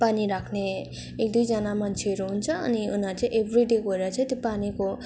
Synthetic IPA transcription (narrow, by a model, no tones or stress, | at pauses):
paniɾakʰne | ek̚d̪ujd͡zʌnamant͡ʃʰeʌɾuɦunt͡sʰʌʌ̰niunãt͡saĩʔebʱɾiɖeɡʌɾat͡sʰʌt̪jopaniko